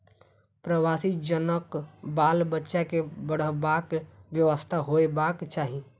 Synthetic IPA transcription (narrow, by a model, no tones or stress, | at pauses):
pɾəʋaːsid͡ʒənəkbaːlbətːʃakebəɽ̤əbaːkʋjəʋəst̪ʰaɦoebaːkt͡ʃaːɦi